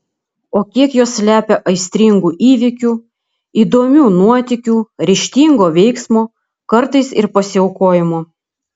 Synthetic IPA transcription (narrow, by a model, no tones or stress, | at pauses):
oːkʲiɛkjoːsːʲlʲæːpʲɛʔɐɪsʲt̪ʲɾʲɪŋɡuːʔiːʋʲɪkʲuː | iːd̪oːmʲuːnuɔt̪ʲɪkʲuːɾʲɪʃʲt̪ʲiːŋɡoːʋʲɛɪksmoː | kɐɾt̪ɐɪsɪ̰ɾpɐsʲɪɛʊkoːjɪmoː